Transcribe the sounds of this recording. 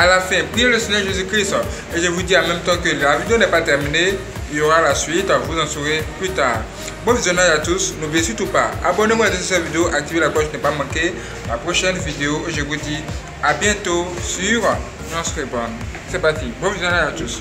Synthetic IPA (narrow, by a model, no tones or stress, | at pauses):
alafɛ̃piẽløsiɲɛʁʒezykʁist̪ | eʒevud̪iamɛ̃mt̪ɑ̃kølavid̪eonɛpat̪ɛʁmine | iloʁalasɥit̪vuzãsuʁeplyt̪aːʁ | bõvizjõnãjat̪usnobẽsyt̪upa̰a̰bɔnemõat̪ẽsesɛ̃vid̪eoʔak̚t̪ivelakɔʃnɛpamãke | lapʁoʃɛnvid̪eoeʒevud̪i | abjɛ̃t̪osyʁ | ʒɑ̃sʁebɔ̃nsɛpat̪ibõvizjɔ̃nãat̪us